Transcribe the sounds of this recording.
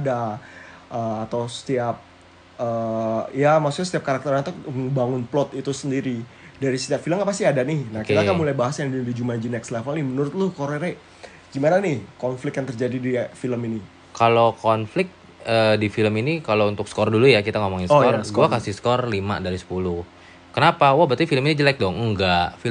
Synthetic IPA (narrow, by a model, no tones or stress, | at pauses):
ada | ʔəːt̪awsə̥t̪iap̚ | əjamaksuk̚ɲasət̪iap̚kaɾak̚t̪ərat̪uməŋbaŋʊnplɔt̪it̪usəndiɾi | daɾisə̥t̪iapfiləmapasiadanɪhnakit̪akamulajbaɦasajaŋdidid͡ʒumad͡ʒinɛkslɛfəlnɪmənuɾʊt̪̚lʊhkoɾeɾe | ɡimananɪhkɔnflɪk̪̚jaŋt̪ərd͡ʒadidifiləmini | kalokɔnflɪk̚ | ədifiləminikalount̪ʊk̚skɔrdulujakit̪aŋomɔŋɪnskɔrsə̥kolakasihsə̥kɔrlima̰daɾisə̥pulʊh | kənapawabət̪ifiləminid͡ʒəlak̚dɔŋəŋɡaʔfi